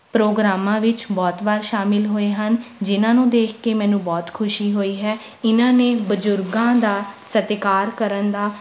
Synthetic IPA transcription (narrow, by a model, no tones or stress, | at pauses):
pɾoːɡɾaːmãːʋɪt͡ʃbɔːt̪ʋaːɾʃaːmɪlɦoːeːɦənd͡ʒɪnãːnũːd̪eːkʰkeːmɛ̃ːnũːbɔːt̪kʰʊʃiːɦoːiːɦɛː | ɪnãːneːbəd͡ʒʊɾɡãːd̪aːsət̪ɪkaːɾkəɾənd̪aː